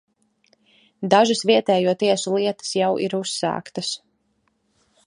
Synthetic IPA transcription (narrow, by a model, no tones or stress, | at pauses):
d̪aʒasviɛt̪ɛːjuɔt̪iɛsulˠiɛt̪ə̥sjawʔiɾusːa̰ːkt̪ɐs